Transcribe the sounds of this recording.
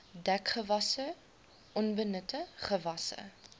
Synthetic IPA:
dækχəvɐsə | ʔɔnbənətəχəvɐsə̰

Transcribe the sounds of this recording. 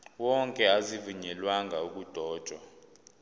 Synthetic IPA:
wɔŋkʼɛazivuɲɛlwaŋɡʱauk̬ʼud̥ʱɔːd̥ʒ̥ʱwa

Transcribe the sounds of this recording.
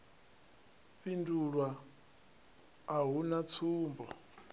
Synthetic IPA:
ɸinduɺwa | ɦunat͡sʰuːmbɔ

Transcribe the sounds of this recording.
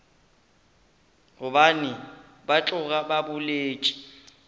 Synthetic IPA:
ɣʊbanɪ | bat͡ɬʼʊɣʼababʊleːt͡ʃʼi̥

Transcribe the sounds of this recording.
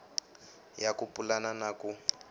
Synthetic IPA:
jakupʼulananaku

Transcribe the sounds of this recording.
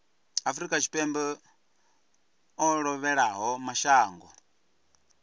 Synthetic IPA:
afuɾikat͡ʃi̥pɛmbɛ | ɔɺɔβɛɺaɦɔmaʃaːŋɡɔ̰

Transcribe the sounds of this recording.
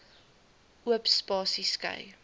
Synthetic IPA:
ʔuəpspɑːsiskə̰j

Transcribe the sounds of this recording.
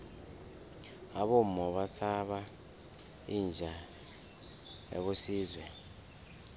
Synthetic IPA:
aɓɔmɔɓasaɓa | ind͡ʒʱa | ḛɓosiːzwɛ

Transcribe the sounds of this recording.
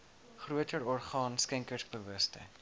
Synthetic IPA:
χruətəɾɔrχɑːnskɛŋkərsbəvəstə̰

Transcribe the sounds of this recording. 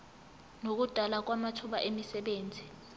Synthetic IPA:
nok̬ud̥ʱalak̬wamatʰuɓa̰ʔemisɛɓeːnd͡zʱi

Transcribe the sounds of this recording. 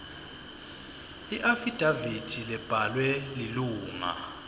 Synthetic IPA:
iʔafid̥ʱavid̥ʰʱilɛb̥ʱalwɛliluːŋa̰

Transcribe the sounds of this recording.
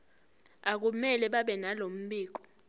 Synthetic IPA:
ak̬umɛlɛɓaɓɛnalom̩ɓiːk̬ɔ̥

